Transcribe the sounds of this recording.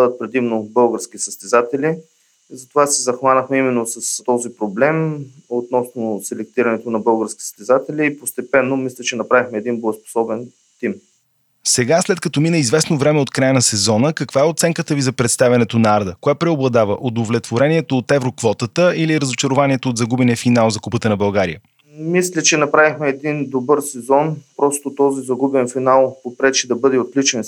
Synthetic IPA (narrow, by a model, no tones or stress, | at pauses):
d̪ət̪̚pɾɛd̪imnobɤlˠɡəɾsk̟ʲisəst̪ɛzat̪ɛli | zɐt̪ovasɛzɐxvanəxmɛimɛnːosəst̪ɔzipɾoblɛmot̪nɔsnosɛlɛk̚t̪iɾɐnɛt̪onɐbɤlˠɡəɾskʲisə̥st̪ɛzat̪ɛlʲiːpost̪ɛpɛnːomislʲət͡ʃɛnɐpɾavixmɛːd̪inbospo̥sɔbɛn | t̪im | sɛɡaslɛt̪̚kɐt̪ɔminəizvɛsnovɾɛmɛot̪kɾajənɐsɛzɔnəkɐkvaɛot̪sɛŋkət̪əvizɐpɾɛt̪st̪avʲɐnɛt̪onɐaɾd̪əkoapɾɛoblˠɐd̪avəʔod̪ovlʲɛt̪voɾɛniɛt̪oːt̪ɛvɾokvɔt̪ət̪əiliɾəzot͡ʃɐɾovaniɛt̪oːd̪zɐɡubɛniəfinalˠzɐkupət̪ənɐbɐlˠɡaɾijə | mislʲət͡ʃɛnɐpɾavixmɛːd̪ind̪obɤɾsɛzɔnpɾɔst̪ot̪ɔzizɐɡubɛnfinalˠpopɾɛt͡ʃid̪ɐbɤd̪ɛot̪lit͡ʃɛn